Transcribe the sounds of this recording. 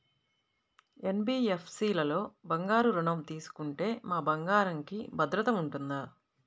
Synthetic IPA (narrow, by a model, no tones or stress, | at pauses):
enbiːepʰsiːlɐlo̞ːbɐŋɡaːɾuɾuɳɐmt̪iːsu̥kuɳʈe̞ːmaːbɐŋɡaːɾɐŋkibʱɐd̪ɾɐt̪ɐmuɳʈund̪ɐ